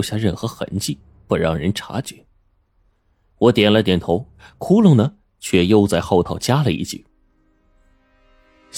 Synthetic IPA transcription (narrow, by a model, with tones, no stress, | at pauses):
ʊɕja˥˧ɻə˥˩nxɤ˧˥xə̰˧˥nt͡ɕi˥˩ | pu˥˩ɻɑ˥˩ŋɻə˧˥nʈ͡ʂʰa̰˧˥t͡ɕɛ˧˥˦ | wɔ˧˥t̪jɛ˨˩nlə˦˧t̪̬jɛ˨˩nt̪ʰo˧˥ʊ | kʰu˥lʊ˥˩ŋnə˨˩ | t͡ɕʰɥɛ˥˩jo˥˧ʊt͡sa˥˧ɪxɑ˥˧ʊt̪ʰɑ˨˩ʊt͡ɕja˥lə˨ḭ˥˩t͡ɕʰḭ˨˩˦